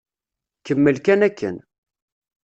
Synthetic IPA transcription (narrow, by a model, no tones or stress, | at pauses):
kəmːəlkænækːə̰n